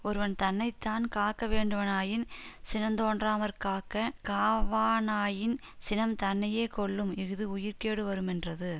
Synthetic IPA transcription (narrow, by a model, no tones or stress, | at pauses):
ɔɾɯʋɐnt̪ɐnːɐɪt̪ːaːnkaːkːɐʋeːɳɖɯʋɐnaːjɪnsɪnɐnd̪oːndraːmɐɾkaːkɐkaːʋaːnaːjɪn | sɪnɐmt̪ɐnːɐjeːkɔɭːɯmɪɣɯðɯʊjɪɾkeːɽɯʋɐɾɯmɛndrɐðɯ